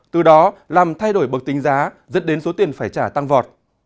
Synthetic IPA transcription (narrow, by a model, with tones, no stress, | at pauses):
t̪ɨ˨˩ɗɔ˨˦laː˨˩mt̪ʰa˧jɗo˧˩jɓə˨˩k̚t̪i˨˦ŋ̟zaː˨˦ | zə̰˦˥nɗe˨˦nso˨˦t̪i˨˩ənfaː˧˩jt͡ɕaː˧˩t̪a˧ŋvɔ˨˩t̚